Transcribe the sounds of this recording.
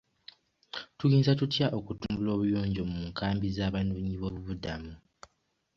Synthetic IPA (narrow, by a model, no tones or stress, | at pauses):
tujiːnzatutjaʔo̞kutumbulo̞ːβujoːɲɟo̞muːŋkʰaːmbizaːβanuːɲiβo̞ːβuβudamu